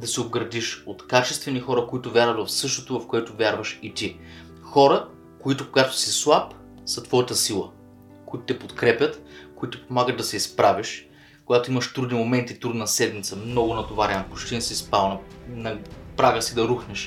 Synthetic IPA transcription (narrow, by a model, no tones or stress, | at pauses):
d̪ɐsiobɡɾɐd̪iʃot̪kat͡ʃɛst̪vɛnixɔɾəkoit̪ʊvʲjaɾvət̪vɐfsɤʃt̪ot̪ovɐfkoɛt̪ovʲjaɾvəʃit̪i | xɔɾə | koit̪ʊkoɡat̪o̥sislˠap | sɐt̪vɔjət̪əsilˠə̰ | koit̪ʊt̪ɛpot̪kɾɛpʲət̪koit̪ɛpomaɡət̪d̪ɐsɛispɾaviʃ | koɡat̪oiməʃt̪ɾud̪nimomɛnt̪it̪ɾud̪nɐsɛd̪mit̪səmnɔɡʊnɐt̪ovaɾɛnpot͡ʃt̪insispalˠnɐnɐpɾaɡəsid̪ɐɾuxnɛʃ